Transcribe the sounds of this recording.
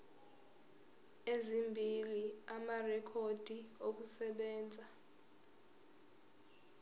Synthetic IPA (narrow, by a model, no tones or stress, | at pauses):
ezimbʱiliamarɛkʰod̥ʱiok̬usɛɓɛːnd͡zʱa